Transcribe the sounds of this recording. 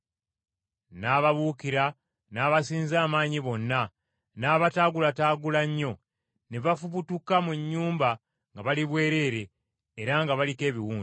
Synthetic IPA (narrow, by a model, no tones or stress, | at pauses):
naːβaβuːkiɾa | naːβasiːnzaːmaːɲiβo̞nːa | naːβataːɡulataːɡulaɲːo̞ | neβafuβutukamuɲːuːmba | ŋɡaβaliβwe̞ːɾe̞ːɾe̞ː | ɾaŋɡaβalike̞ːβiwuːnzi